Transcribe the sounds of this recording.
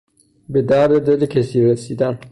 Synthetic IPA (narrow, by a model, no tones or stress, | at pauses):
bed̪æɾd̪ed̪elecʰesiːɾesiːd̪æn